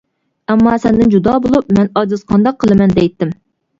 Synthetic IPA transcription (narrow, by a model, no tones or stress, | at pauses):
ɛmːɑːsɛnd̪ɪnd͡ʒud̪ɑːbolˠup̚mɛnɑzɨzqʰɑnd̪ɑqʰːəlˠɨmɛnd̪ɛjt̪ːɪm